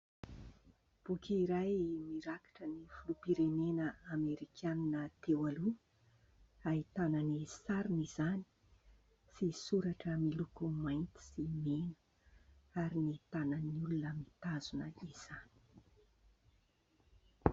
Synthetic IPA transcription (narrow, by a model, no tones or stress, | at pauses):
b̥ukʲiɾajmiɾakḁʈ͡ʂənifulupiɾenenəameɾikʰaninət̪ewalu | ait̪ananisaɾinizani̥ | sisuɾaʈ͡ʂəmilukumajnt̪i̥simenə̥ | aɾinit̪anəniulunəmit̪azunəiz̥ani̥